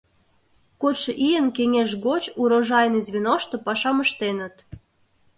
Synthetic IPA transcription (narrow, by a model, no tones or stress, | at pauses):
kot̪ʃɤ̆ʔijənkeŋʲeʃɣot͡ɕuɾoʒɑjnizʲβʲinoʃt̪opɑʃɑməʃt̪enə̆t̪